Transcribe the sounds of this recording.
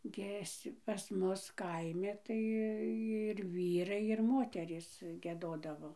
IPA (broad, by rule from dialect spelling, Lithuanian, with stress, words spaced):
ˈɡʲiɛs pɐs ˈmʊs ˈkɐɪmʲɪ ˈtɐɪ ɪr ˈʋʲiːrɐɪ ɪr ˈmoːtʲɛrʲiːs ɡʲiɛˈdoːdɐʋoː